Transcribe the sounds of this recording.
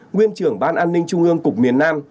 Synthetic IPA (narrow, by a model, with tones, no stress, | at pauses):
ŋwi˧ənt͡ɕɨ˨˩əŋɓaː˧nʔaː˧nːï˧ŋt͡ɕʊ˧ŋʔɨ˧əŋkʊ˨˩k͡p̚mi˨˩ənːaː˧m